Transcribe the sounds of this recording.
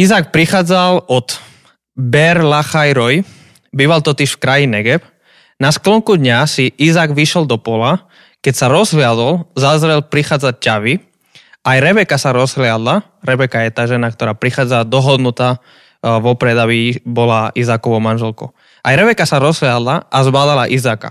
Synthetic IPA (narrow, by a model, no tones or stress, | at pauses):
izaːk̚pɾixaːd͡zalɔt̪ | bɛɾlaxajɾɔj | biːʋalt̪ɔt̪iʃfkɾajinɛɡɛp | nasklɔŋkud̪ɲasiʔizaːɡʋiʃɛld̪ɔpɔla | kɛcsaɾɔzɦlɪad̪ɔlzazɾɛlpɾixaːd͡zac̚caʋi | ajɾɛbɛkasaɾɔzɦlɪad̪la | ɾɛbɛkajɛt̪aːʒɛnak̚t̪ɔɾaːpɾixaːd͡zad̪ɔɦɔd̪nut̪aː | ʋɔpɾɛd̪abibɔlaʔizaːkɔʋɔʊmanʒɛlkɔ̰ | ʔajɾɛbɛkasaɾɔzɦlɪad̪laʔazbaːd̪alaʔizaːka̰